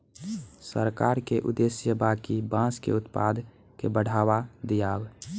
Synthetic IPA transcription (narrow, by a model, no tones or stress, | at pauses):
səɾkaɾkeʔʊ̰d̪esjəbakibãskḛʊt̪pad̪ | kebəɽʱawad̪ijaːb